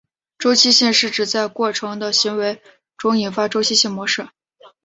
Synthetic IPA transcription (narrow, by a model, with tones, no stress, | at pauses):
ʈ͡ʂo˥ʊt͡ɕʰi˥ɕɛ˥˧nʂɻ̩˥˩ʈ͡ʂɻ̩˨˩t͡sa˥˧ɪkwɔ˥˩ʈ͡ʂʰɤ˧˥ŋd̪ə˧ɕi˧˥ŋwe˧˥ɪ | ʈ͡ʂʊ˧˥ŋi˨˩nfa˥ʈ͡ʂo˥ʊt͡ɕʰi˥ɕɛ˥˩nmwɔ˧˥ʂɻ̩˥˩